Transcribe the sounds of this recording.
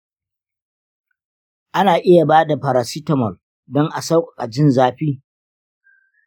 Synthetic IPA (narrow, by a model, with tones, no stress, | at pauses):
ʔa˦naː˨ʔɪ˦ja˨baː˦da˨ɸa˨ɾaː˨si˦tɐ˨mɔ˨l | dɔ˦ŋʔa˨sa˦wkʷʼɔ̥˨kʼa˨d͡ʒɪ˦nzaː˦ɸiː˦